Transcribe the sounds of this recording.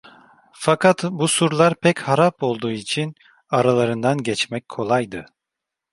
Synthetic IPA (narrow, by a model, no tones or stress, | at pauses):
fakat̪busuɾlˠaɾpʰɛchaɾapo̞lˠd̪uːit͡ʃʰin | aɾalˠaɾɯnd̪anɟɛt͡ʃmɛc̚ʲkʰo̞lˠajd̪ɯ